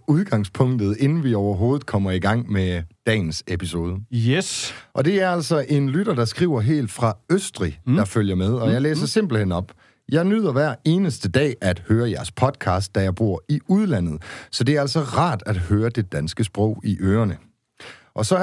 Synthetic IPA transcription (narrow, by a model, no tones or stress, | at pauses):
uð̞ˠɡ̥ɑ̈ŋspʰɔ̽ŋ̰d̥ð̞̩ˠe̝nn̩ʋiɒʊɐɦo̝ːð̞̩ˠkʰɒ̽m̰ɐiɡ̥ɑ̈ŋ̰med̥ɛ̰ːn̩sepʰiso̝ːð̞ˠəsʔɒ̽d̥e̝æɐæl̰sɒ̽ʔe̝nlyɾ̥ɐd̥ɑ̈sɡ̥ʁḭːʊɐɦe̝̰ːld̥fʁɑ̈øsd̥ʁid̥ɑ̈føl̰jɐmeð̞ˠɒ̽jɑ̈ɪlḛːsɐse̝m̰b̥l̩henɒ̽b̥ | jɑ̈ɪnyð̞̰ˠɐʋæɐ̰e̝ːnəsd̥əd̥ɛ̰ːʔæd̥høːɐjæɐspʰɒ̽d̥kʰɑ̈ːsd̥ːæjɑ̈ɪb̥o̝ɐ̰iuð̞ˠlæn̰ð̩ˠsɒ̽d̥e̝æɐæl̰sɒ̽ʁɑ̰̈ːd̥æd̥høːɐd̥e̝d̥ænsɡ̥əsb̥ʁɔ̰ʊ̰iʔøːɐnə | ʔɒ̽sɒ̽